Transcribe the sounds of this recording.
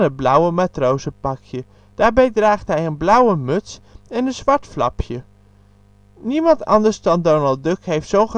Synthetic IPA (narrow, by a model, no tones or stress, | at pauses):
nəd̚blʌwəmaːtrowzəpɑkʰjə | d̥aːɹbɛjdraːχtɦɛjənblʌwəmɵtsɛnənzʋɑɹtflɑ̰pʰjə | nimɑntɑ̰ndəɹzdɑndonəlˠdɵkɦejftsownχ